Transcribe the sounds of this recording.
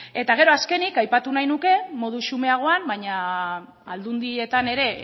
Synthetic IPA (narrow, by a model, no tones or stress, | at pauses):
e̞t̪aɣ̞e̞ɾo̞aske̞nikajpat̪unajnuke̞mo̞ð̞uʃume̞aɣ̞o̞ambaɲa | ald̪und̪ie̞t̪ane̞ɾe̞